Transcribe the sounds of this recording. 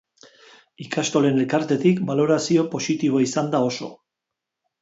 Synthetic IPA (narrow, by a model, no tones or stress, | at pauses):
ikast̪o̞le̞nelkaɾt̪e̞t̪ikbalo̞ɾasio̞po̞sit̪iβ̞o̞isand̪ao̞so̞̰